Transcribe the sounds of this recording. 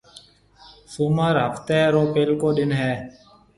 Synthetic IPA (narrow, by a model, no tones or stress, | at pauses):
suməɾɦəft̪eːɾoːpeːlkoːɗɪnɦɛː